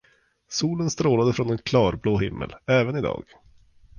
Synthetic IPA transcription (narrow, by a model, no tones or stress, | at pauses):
suːlənst̪ɾoːlad̪əfɾɔnɛnkʰlɑːɾbloːɦɪmːə̰lɛːvənɪd̪ɑ̰ːɡ̥